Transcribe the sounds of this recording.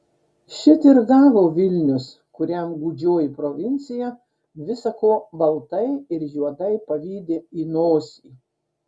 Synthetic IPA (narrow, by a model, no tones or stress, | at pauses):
ʃʲɪt̪ɪɾɡɑːʋoːʋʲɪlʲnʲʊs | kʊɾʲɛmɡuːd͡ʒʲoːjɪpɾoʋʲɪnʲt̪sʲɪjɛ | ʋʲɪsɐkoːbɐlˠt̪ɐɪɪɾjuɔd̪ɐɪpɐʋʲiːd̪ʲeːiːnoːsʲiː